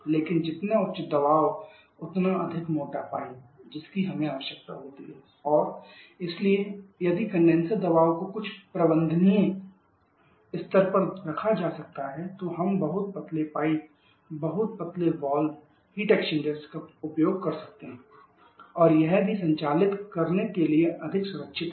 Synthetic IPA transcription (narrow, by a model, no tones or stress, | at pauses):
leːkɪnd͡ʒɪt̪naʊt͡ʃd̪ɐbaːʋ | ʊt̪naɐd̪ʱɪkmoːʈapaːid͡ʒɪskiɦɐmẽaːʋəʃjək̚t̪a̰ɦoːt̪ḭɦɛ | ɔːɾɪsliejɐd̪ikə̃ɳɖẽːnsəɾd̪ɐbaːʋkokʊt͡ʃʰpɾəbə̃nd̪ʱəniẽ | ɪst̪əɾpəɾɾɐkʰad͡ʒaːsɐk̚t̪aɦɛt̪oɦɐmbɐɦʊt̪̚pɐt̪lepaːi | bɐɦʊt̪̚pɐt̪leʋɔːl | ɦiʈɛːkʃɪ̃ɳɖəɾskaʊpjoːɡ̚kɐɾsɐ̥k̚t̪eɦɛ̃ | ɔːɾjɛɦbʱisɐ̃ɲt͡ʃaːlɪt̪kɐɾnekelieʔɐd̪ʱɪksʊɾəkʃʰɪt̪